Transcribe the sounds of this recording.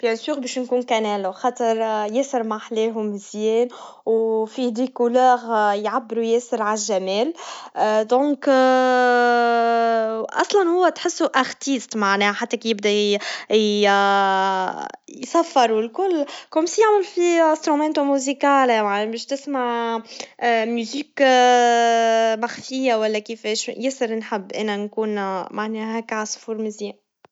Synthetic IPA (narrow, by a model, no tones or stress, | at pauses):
b̥jɛsyːɣbɛːʃnkuːnkænɛːlwxɑt̪ˤəɾˤjɛsəɾmaħlɛːɦʊmzjɛːn | wfid̪ikulœːɣjʕabːəɾujɛːsəɾʕaʒːæmɛːl | d̪õːk | ʔɑsˤlɑnhʊwːæt̪ħɪsːuʔaɣt̪iːst̪maʕnɛːħat̪ːækjɪb̚d̪æ | jsæfːɪɾˤulkʊlːkomsjaʕmɪlfiast̪ɾumɛnt̪omuzikaːlmaʕnɛbɛːʃt̪ɪsmaʕ | myziːk | maxfɪjːawælːækifɛːʃjɪsɪɾnħɪbːʔæ̰nænkuːnmaʕnɛːhɛːkʕasˤfuːɾmɪzi